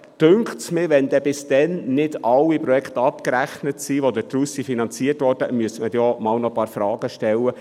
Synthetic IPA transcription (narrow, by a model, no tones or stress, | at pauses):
d̥øŋkχtsmɪːʋɛnd̪ɛbɪsd̥̪ɛnnɪdɑlːipɾɔjɛkχt̪ɑpkɾæχnətsiːʋod̪ətɾusifinɑnt͡siərtʋɔːrd̥əmyəsmədjɔmɑːlnɔpɑːɾfɾɑːɡ̥əʃtɛlːə